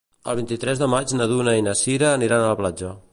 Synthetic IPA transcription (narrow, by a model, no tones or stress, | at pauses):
ə̰lˠβ̞int̪it̪ɾɛzðəmad͡ʒnəðunəinəsiɾəːniɾanələplad͡ʒə